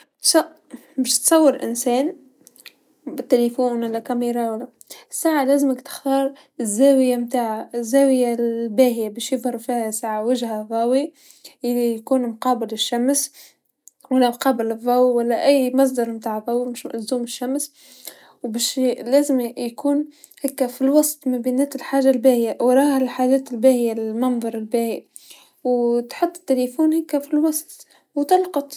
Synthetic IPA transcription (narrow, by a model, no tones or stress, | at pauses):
ɑ | bæːʃt̪sˤɑwːəɾʔɪ̰nsɛːn | bɪt̪ːælifuːnwalːækæmiɾˤɑwælːæ | sːaːʕalæːzəməkt̪ɪ̥xt̪ɑːɾˤ | ɪzːæːwɪjamt̪aːʕazːæːwɪjabæːhɪjabæːʃjɪðˤhɑɾˤfiːhæsaːʕawɪʒhæɣɑːwi | ʔɪlːijkuːnmqɑːbɪlɪʃːæms | walːæmqɑːbɪlɨðˤːɑːwiwalːæʔæjːmɑs̬ˤd̪ɑɾˤmt̪aːʕɣɑːwimɪʃzuːmɪʃːæms | wbæːʃlæːzɪmjkuːn | hæːkːæfilwɑsˤt̪ˤmæbiːnæːt̪ɪlħaːʒːalbæːhɪjawɾˤɑːhalħaːʒæːt̪ɪlbæːhɪjalɪmɑnðˤɑɾˤɪlbæːhi | wt̪ħʊt̪ˤːt̪ːɪlifuːnhækːæfilwɑsˤt̪ | wt̪ɑlqɑt̪ˤ